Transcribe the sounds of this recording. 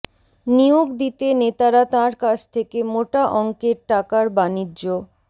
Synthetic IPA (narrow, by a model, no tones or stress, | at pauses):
nioɡd̪it̪enet̪aɾat̪ãɾkat͡ɕʰt̪ʰekemoʈaʔɔŋkeɾʈakaɾbanid͡ʑːo